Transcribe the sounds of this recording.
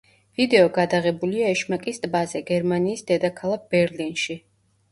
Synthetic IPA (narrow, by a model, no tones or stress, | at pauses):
vid̪ɛɔɡad̪aʁɛbuliaɛʃmakʼist̪ʼbazɛɡɛɾmaniːsd̪ɛd̪akʰalˠak̚b̥ɛɾlinʃi